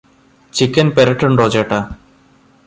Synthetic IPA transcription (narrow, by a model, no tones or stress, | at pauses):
t͡ɕikːɐnpeɾɐʈːuɳɖoːt͡ɕeːʈːa